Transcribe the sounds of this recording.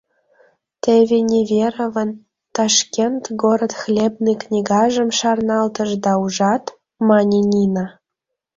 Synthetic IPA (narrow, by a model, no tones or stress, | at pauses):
t̪evʲenʲevʲeɾovən | t̪ɑʃkʲent̪ɡoɾət̪xlʲeb̚niknʲiɡɑʒəmʃɑrnɑlt̪əʒd̪ɑuʒɑt̪ | mɑnʲenʲinɑ